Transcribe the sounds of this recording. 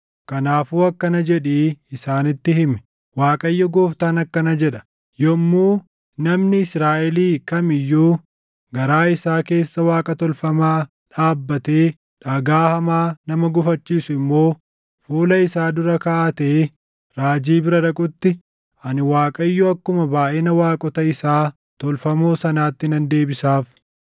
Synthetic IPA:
kɐnaːfuːɐkːɐnɐd͡ʒɛᶑiːɪsaːnɪt̪ːɪhɪmɛ̥ | waːkʼɐjːɔɡoːft̪ɐnɐkːɐnɐd͡ʒɛᶑɐ̥ | jɔmːuː | nɐmnɪɪsɾaːʔɛliːkɐmɪjːuː | ɡɐɾaːɪsaːke̞ːsːɐwaːkʼɐt̪ɔlfɐmaː | ᶑaːbːɐt̪eː | ᶑɐɡaːhɐmaːnɐmɐɡʊfɐt͡ʃːiːsʊɪmːo̞ː | fuːlɐɪsaːd̪ʊɾɐkɐʔat̪eː | ɾaːd͡ʒiːbɪɾɐᶑɐkʼʊt̪ːɪ | ɐnɪwaːkʼɐɪjːɔɐkːʊmɐbaːʔɛnɐwaːkʼɔt̪ɐɪsaː | t̪ɔlfɐmoːsɐnaːt̪ːɪnɐnd̪e̞ːbɪsaːf

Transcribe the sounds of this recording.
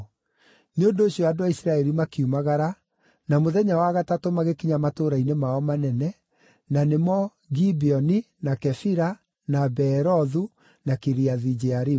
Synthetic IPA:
neondoːɕijɔadoaisɾaɛɾimakiumaɣaɾa | namoðɛɲawaɣatatomaɣekiɲamatoɾainemaɔmanɛnɛ | nanemɔ | ɣibiɔni | nakɛfiɾa | nabɛɾɔðu | nakeɾiaðid͡ʒeaɾi

